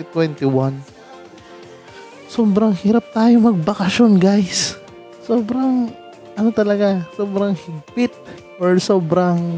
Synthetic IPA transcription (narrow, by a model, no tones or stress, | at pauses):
t̪wɛnt̪ɪwan | soːbɾɐŋhiːɾap̚t̪aːjomɐɡ̚bɐkɐʃo̞nɡajsː | oːbɾaŋ | ʔɐno̞t̪ɐlɐɡasoːbɾaŋhɪɡ̚pɪt̪̚ | ʔoɹso̞ːbɾaŋ